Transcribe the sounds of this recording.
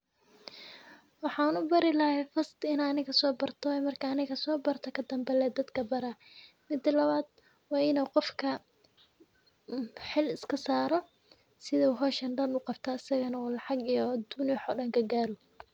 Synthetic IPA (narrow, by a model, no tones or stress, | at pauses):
wɑħɑːnʊbɐɾɪlɐhɛfɐst̪ɪnːnɪɣɐsɔːbɐrt̪ʰɔɛmɐrkʰɐːnɪɣɐsɔːbɐrt̪ʰɐkʰɐd̪ɐmbɛlɛːd̪ɐd̪kʰɐbɐɾɐ | mɪd̪ɐlɐβaːd̪̚ | wɑːɪnoːqɔfkʰɐ | ħɪlɪskʰɐsaːɾɔ | sɪðɐɦɔːʃɐnɖɐnʊqɑbt̪ʰɐːsɐɣɐnɐɔːlɑʕɑɡijɔd̪unjħɔːɖɐŋɡɐɡaːɾʊ